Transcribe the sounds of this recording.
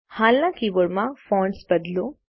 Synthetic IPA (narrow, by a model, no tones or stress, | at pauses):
haːlãːŋkiʋoɽmãfɔ̃ːɳsbɐd̪lo